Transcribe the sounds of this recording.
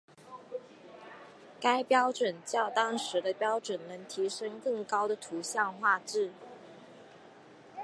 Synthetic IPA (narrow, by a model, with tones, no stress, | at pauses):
ka˥ɪpjɑ˥ʊʈ͡ʂwə˨˩nt͡ɕjɑ˥˩ʊt̪ɑ˥ŋʂɻ̩˧˥d̪ə˧pjɑ˥ʊʈ͡ʂwə˨˩nnɤ˧˥ŋt̪ʰi˧˥ʂɤ˥ŋkɤ˥˩ŋkɑ˥ʊd̪ə˨t̪ʰu˧˥ɕjɑ˥˧ŋxwa˥˧ʈ͡ʂɻ̩˥˩